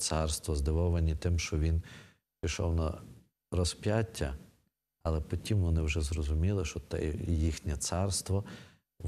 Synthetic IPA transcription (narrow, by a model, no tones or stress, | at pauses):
t̪sɑrst̪ʋɔzd̪ɪʋɔʋɐnʲit̪ɪmʃt͡ʃɔʋʲin | pʲiʃɔ̰wnɐ | ɾɔspʲjatʲːɐ | ɐlˠɛpɔtʲimʋɔnɪwʒɛzɾɔzʊmʲilˠɪʃɔt̪ɛ̰jixnʲɛt̪sɑrst̪ʋɔ